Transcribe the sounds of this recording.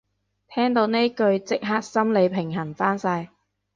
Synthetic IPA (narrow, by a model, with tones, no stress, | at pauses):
t̪ʰɛː˥ŋt̪o˨˧wne˥kɵ˧ɥt͡sɪ˥k̚ɦaː˥k̚sɐ˥mle˨˧jpʰɪ˨˩ŋɦɐ˨˩nfaː˥nsɐ˧j